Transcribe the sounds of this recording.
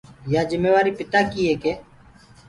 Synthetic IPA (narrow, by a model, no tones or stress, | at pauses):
jaːd͡ʒɪmeːʋaːɾiːpɪt̪aːkiːɦeːkeː